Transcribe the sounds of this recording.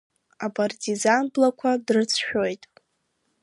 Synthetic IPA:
apʰʼartʰʼizanblakʷʰadrɨt͡sʰʃᶣojtʼ

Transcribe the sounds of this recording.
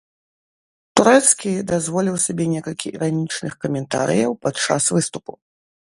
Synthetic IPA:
t̪uɾɛt̪skʲid̪azvɔlʲiwsabʲɛnʲɛkɐlʲkʲiʔiɾanʲit͡ʂnɨxkɐmʲɛnt̪a̰ɾɨ̰jɐwpat̪t͡ʂa̰svɨst̪upu

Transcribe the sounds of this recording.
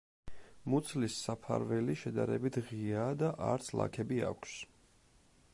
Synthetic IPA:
mut̪sʰlisːapʰa̰ɾvɛliʃɛd̪aɾɛbit̪ʰʁiad̪aʔa̰ɾt̪sʰlˠa̰kʰɛbia̰kʷʰs

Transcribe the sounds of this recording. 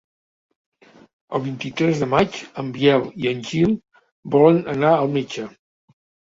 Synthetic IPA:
əlˠβint̪it̪ɾɛzðəmat͡ʃəmbiɛliənʲʒilˠ | bɔlənənaəlˠmed͡ʒə

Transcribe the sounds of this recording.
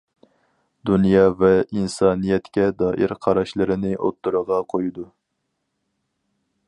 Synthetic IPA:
d̪unjɑvɛinsɑːnijɛt̪kʲɛd̪ɑːʔiɾqʰɑɾɑʃlˠɨɾɨnɨʔo̰t̪ːuɾəʁɑqʰojud̪u

